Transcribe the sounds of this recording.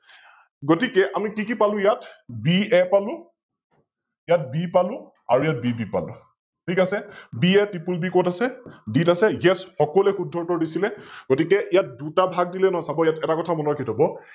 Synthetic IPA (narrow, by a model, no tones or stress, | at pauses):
ɡotikɛʔamikikipalʊ̃jatbiɛpalʊ̃ | jat̚bipalʊ̃ | a̰ɹujat̚bibipa̰lʊ̰ | tʰikasɛbiɛtɹipulbikɔtasɛditasɛjɛsxɔkɔlɛxudʱɔɹtɔɹdisilɛɡ̥otikɛʔijat̚dutabʱaɡ̚dilɛnɔɦɔsabɔjatɛtakɔtʰamɔnɔkʰitʰɔbɔ